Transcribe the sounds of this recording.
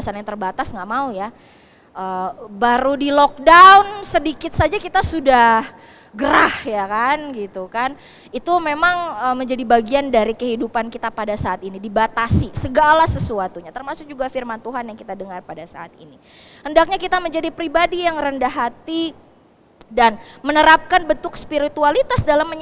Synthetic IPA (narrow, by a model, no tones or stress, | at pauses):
asanjaŋt̪ərbat̪asŋɡaʔmauja | ʔəbaɾudilɔk̚daunsədikɪt̪̚sad͡ʒakit̪asudah | ɡəɾahjakanɡit̪ukan | it̪umemaŋəməɲd͡ʒadibaɡiandaɾikəɦidupankit̪apadasaːt̪inidibat̪asisəɡalasəsuat̪uɲat̪ərmasʊk̚d͡ʒuɡafirmant̪uɦanjaŋkit̪adəŋarpadasa̰a̰t̪̚ḭni | həndak̚ɲakit̪aməɲd͡ʒadipɾibadijaŋrəndaɦat̪i | danmənəɾap̚kanbənt̪ʊkspiɾit̪ualit̪asdalamːə